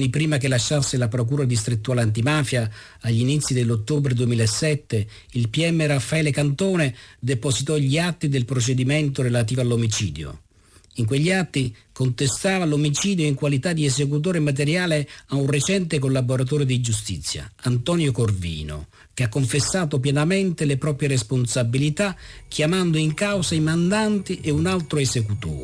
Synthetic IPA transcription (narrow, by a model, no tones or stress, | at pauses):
nipɾiːmakelːaʃːasːelapɾok̬uːɾad̪ist̪ɾit̪ːuaːleant̪̬imaːfjaː | ʎːinit̪sːid̪elːot̪ːobɾed̪uemiːlaesːɛt̪ːe | ilpiɛmːeɾafːaɛːlekant̪oːned̪eposit̪ɔʎiat̪ːid̪elpɾot͡ʃed̪iment̪oɾelat̪̬iːvoalːomit͡ʃiːd̪jo̰ | iŋk̬weʎːiat̪ːikont̪est̪aːvalomit͡ʃiːd̪joiŋkwalit̪ad̪ːiesek̬ut̪̬oːɾemat̪eɾjaːleaunret͡ʃɛnt̪ekolːaboɾat̪̬oːɾed̪id͡ʒus̬t̪it̪sːja̰ant̪ɔnjokorvḭːno̰ | keakːoɱfesːaːt̪opjɛnamɛnt̪elepɾɔːpɾjeɾesponsabilit̪ak̟ʰjamand̪oiŋkawsaimand̪ant̪iʔeunalt̪ɾoesekut̪o̰ːɾ